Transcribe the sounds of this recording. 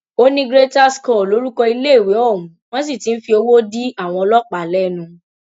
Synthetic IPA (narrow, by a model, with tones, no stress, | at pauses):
o˦nĩ˦ɡɾe˦ta˦skɔ˦˨lo˨˦ɾu˦kɔ˧i˧le˦e˦˨we˨˦ɔ˦˨mũ˨˦w̃ɔ̃˦s̬i˦˨ti˨˦n̩˦fi˧o˧wo˦di˦a˦˨w̃ɔ̃˧ɔ˧lɔ˦k͡pa˨lɛ˦nũ˧